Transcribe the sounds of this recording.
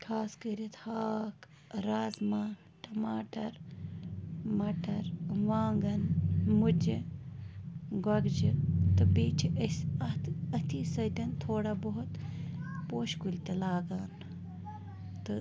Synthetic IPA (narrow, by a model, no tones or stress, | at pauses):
kʰaːskəɾit̪haːk | ɾaːzmaː | ʈɐmaːʈɐɾ | mɐʈɐɾʋaːŋɡɐnmud͡ʒi | ɡɐɡd͡ʒit̪ɨbiːt͡ʃʰiʔɐsɐt̪ɐt̪ʰiːsɐt̪ʲɐnt̪ʰoːɽaboɦut̪poːʃkulʲt̪elaːɡaːn | t̪ɨ